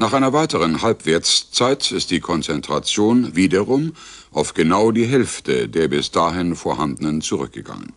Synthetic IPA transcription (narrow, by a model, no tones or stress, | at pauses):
naːχʔaɪnɐvaɪtəʁ̞ənhalpv̥eɐt͡st͡saɪtɪst̚d̥iːkʰɔnt͡sɛntʁ̥at͡sjoːnviːdɐʁʊm | ʔaʊfɡ̥ənaʊdiːɦɛlftʰədeːɐbɪsd̥aːɦɪnfoːɐhandənənt͡suʁ̞ʏ̰k̚ɡ̥əɡ̥a̰ŋə̰n